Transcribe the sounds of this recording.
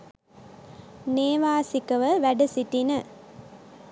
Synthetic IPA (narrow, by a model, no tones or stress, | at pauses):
neːʋaːsikɐʋɐʋɐɖɐsiʈːinɐ